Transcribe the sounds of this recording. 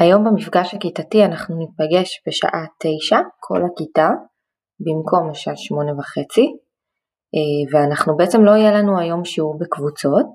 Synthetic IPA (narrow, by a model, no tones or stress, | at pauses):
ajo̞mbemifɡaʃhakitatianaχnunipaɡe̞ʃbeʃa̰ʔate̞jʃakʰo̞̰lakita | bimkʰo̞mleʃaʔaʃmo̞nevaχet͡si | eveanaχnubeʔet͡se̞mlo̞ijelanuajo̞mʃeubekvut͡so̞t̚